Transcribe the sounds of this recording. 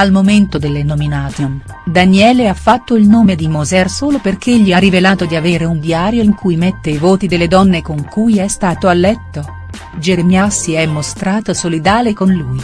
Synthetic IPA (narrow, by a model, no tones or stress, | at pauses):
almoment̪od̪elːenominaːt̪on | d̪anjɛːleafːat̪ːoilnoːmed̪imozɛrsoːloperk̟eʎːiarivelaːt̪od̪iaveːɾeund̪jaːɾjoiŋkujmet̪ːeivoːt̪id̪elːed̪ɔnːekoŋkujɛst̪aːt̪oalːɛt̪ːo | d͡ʒeɾemjasːiɛmːost̪ɾaːt̪osolid̪aːlekonluːj